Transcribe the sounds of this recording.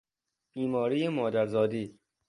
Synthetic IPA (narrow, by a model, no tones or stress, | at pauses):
b̥iːmɒːɾiːjemɒːd̪æɾzɒːd̪iː